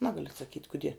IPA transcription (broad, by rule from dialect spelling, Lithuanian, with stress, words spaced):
ˈnɑːɡɐlʲʊ ɐtsɐˈkʲiːtʲ kʊˈdʲiɛ